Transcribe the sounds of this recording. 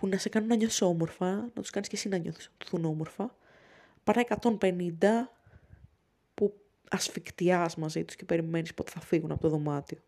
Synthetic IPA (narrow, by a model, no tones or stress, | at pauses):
punɐsekɐnunːɐɲoθi̥so̞mo̞ɾfɐnɐt̪u̥skɐniscesinɐɲoθu̥snɐt̪u̥θuno̞mo̞ɾfɐ | pɐnɐekɐt̪o̞mpe̞nind̪ɐ | pu | ɐsfikt̪iɐzmɐzit̪u̥sce̞pe̞ɾime̞nispo̞t̪e̞̥θɐfiɣunɐpo̞t̪oðo̞mɐt̪io̞